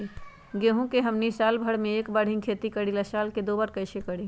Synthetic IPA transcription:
ɡeɦũkeɦəmnisalbʱəɽmẽeːkbəɽ̤ɪ̃ŋkʰeːt̪ikəɽiləsaːlked̪obəɾkəɪsekəɽi

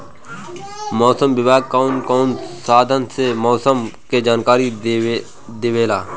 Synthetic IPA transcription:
mɔːsəmbɪbaːɡ̚kaːʊnkɔːnsaːd̪ʱənsemɔːsəmked͡ʒaːnkaːɾi | d̪eʋeːlaː

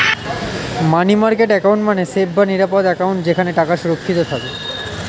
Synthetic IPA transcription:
manimaɾkeʈɛkaũɳʈmanesebʱbaniɾapod̪ɛkawɳʈd͡ʑekʰaneʈakaʃuɾokʰːit̪ot̪ʰake

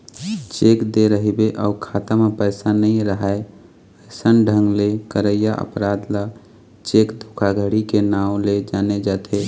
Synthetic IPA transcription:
t͡ʃeːkd̪eɾəɦibeʔəʊkʰaːt̪amepəɪsanəĩɾəɦae | əɪsənɖʱə̃ŋɡlekəɾəɪjaʔə̰pɾaːd̪la | t͡ʃekd̪ʱukʰaɡʱəɽikenaːũled͡ʒaːned͡ʒat̪ʰe

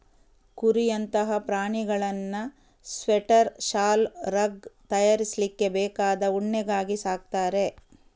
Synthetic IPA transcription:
kuɾijɐnt̪ɐɦɐpɾaːɳiɡɐɭɐnːɐ | sʋeʈɐɾʃaːlɾɐɡt̪ɐjaːɾislikːe̞bɛːkaːd̪ɐuɳːɛɡaːɡisaːk̚t̪aːɾe̞

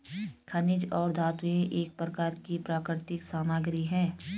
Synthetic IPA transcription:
kʰɐnɪd͡ʒɔːɾd̪ʱaːt̪ujẽʔeːk̚pɾəkaːɾkipɾaːkɾɪɾɪt̪ɪksaːmaːɡɾiɦɛ̃ː

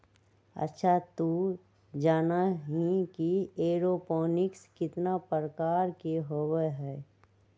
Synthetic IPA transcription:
ə̰tːʃʰat̪u | d͡ʒaːnaɦĩkieːɾopɔːnɪkskɪt̪napəɾəkaːɾkeɦowɦɛː

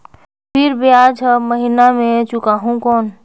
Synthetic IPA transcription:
pʰiɾbead͡ʒʱəməɦinamẽt͡ʃʊkaɦũkɔːn

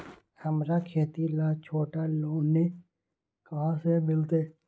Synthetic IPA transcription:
həmɾakʰeːt̪ilaːt͡ʃʰoːʈaloːne | kəɦãsemɪlt̪eː

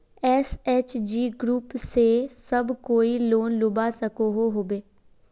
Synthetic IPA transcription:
ɛːsɛːt͡ʃd͡ʒiːɡɾuːpseːsəbkoːiːloːnlʊbaːsəkoːɦoːɦoːbeː

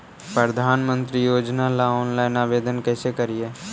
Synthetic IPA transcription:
pɾəd̪ʱaːnmə̃nt̪ɾijoːd͡ʒnalaɔːnlaːɪnaːbeːd̪ʱənkɛːsekəɾie

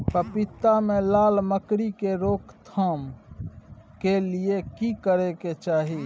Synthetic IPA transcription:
pəpit̪ːamẽlaːlməkɾikeɾoːkt̪ʰəm | keliekikəɾeket͡ʃaːɦi

